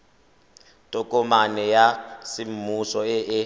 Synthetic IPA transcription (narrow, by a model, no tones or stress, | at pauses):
tʼɔkʼɔmanɛjasim̩musɔɛʔɛ